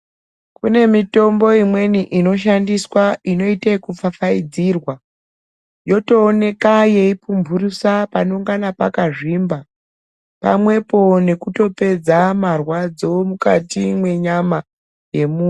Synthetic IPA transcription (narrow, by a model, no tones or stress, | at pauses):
kune̞mito̞mbo̞imwe̞niʔino̞ʃ̬andiswaino̞itakup͡fafaid͡zirwa | jo̞to̞ːne̞kaje̞ipumbʱurusapano̞ŋɡanapakaʐimba | pa̰mwe̞po̞ne̞kuto̞pe̞d͡zamarwad͡zo̞mukatimwe̞ɲama | je̞muː